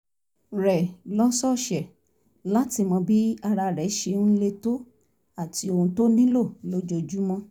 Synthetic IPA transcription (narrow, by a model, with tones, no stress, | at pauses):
ɾɛ˨lɔ˦sɔ˦˨ʃɛ˨ | la˦ti˧˨mɔ̃˧bi˦a˧ɾa˧ɾɛ˨˦ʃe˧˨n̩˦le˧to˦ | a˦˨ti˧˦o˧hũ˧to˦nĩ˦lo˦˨lo˦d͡ʒo˧˨d͡ʒu˦mɔ̃˧˦